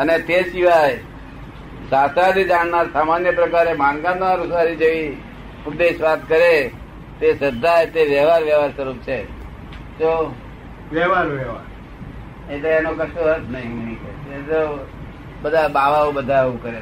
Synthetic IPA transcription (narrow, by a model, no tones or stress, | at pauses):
ənet̪eʃiʋaj | sasad̪id͡ʒaɽnaɾsamanjəpɾəkaɾemãnɡãnaɾusaɾid͡ʒeʋi | ʊd̪ːeʃʋat̪kəɾe | t̪esəd̪ʱːajt̪eʋjəɦʋaɾʋjɛʋaɾsəɾup̚t͡ʃʰe | t̪o | ʋjɛʋaɾʋɛʋa̰ɾ | et̪eenokəʃoɦət̪nəɦĩnəɦĩkəeet̪o | bəd̪ʱabaʋaubəd̪ʱaeʋũkəɾe